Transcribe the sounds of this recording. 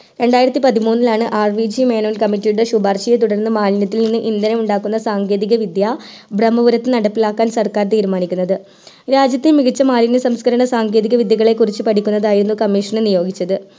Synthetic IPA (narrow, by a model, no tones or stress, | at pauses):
ɾe̞ɳɖaːjiɾɐt̪ːipɐðimuːnːilaːɳɨʔaːrʋid͡ʑime̞ːnoːlkɐmiʈːijuɽeɕubaːrɕijet̪̬uɽɐrnːɨmaːlinɐt̪̬ːilninːɨʔind̪ɐnɐmuɳɖaːkːunːɐsaːŋɡe̞ːðiɣɐʋid̪ja | brɐmːɐʋuɾɐt̪ːɨnɐɽɐpːilaːkːaːnsɐrkaːrt̪iːɾumaːnikʲːunːɐðɨ | ɾaːd͡ʑjɐt̪ːilmiɣit͡ɕːɐmaːlinːɨsɐmskɐɾɐɳɐsaːŋɡe̞ːðiɣɐʋid̪jɐɣɐɭe̞kurit͡ɕːɨpɐʈʰikʲːunːɐðaːjiɾunːukɐmːiːʂɐɳɨnijo̞ːɡit͡ɕːɐðɨ